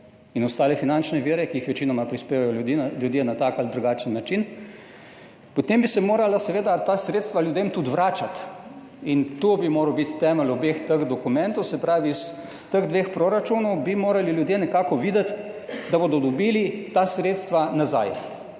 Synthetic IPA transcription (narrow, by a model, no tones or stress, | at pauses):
inɔst̪aːlɛfinant͡ʃnɛʋiɾɛkiixʋɛt͡ʃinɔmapɾispeːʋajɔiljud̪jenat̪akald̪ɾuɡaːt͡ʃənːat͡ʃin | pɔt̪embisɛmoːɾalasɛʋeːd̪at̪asɾeːt̪st̪ʋaljud̪emt̪ut̪ʋɾaːt͡ʃat̪ | int̪obimoːɾəwbit̪t̪ɛːməlɔbeːxt̪əɣd̪ɔkumɛnt̪ɔwsɛpɾaːʋis | t̪əɣd̪ʋeːxpɾoɾat͡ʃunɔwbimoːɾaliljud̪jenɛkaːkɔʋiːd̪ət̪ | d̪abod̪ɔd̪ɔbilit̪aːsɾeːt̪st̪ʋanaza̰j